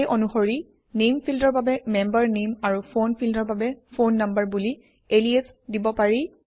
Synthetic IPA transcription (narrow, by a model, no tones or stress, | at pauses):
ejʔɔnuxoɹi | nempʰildɔɹbabɛmɛmbəɹnemaɹuponpʰildɔɹbabɛpʰonːambəɹbuli | eliesdibɔpaɹi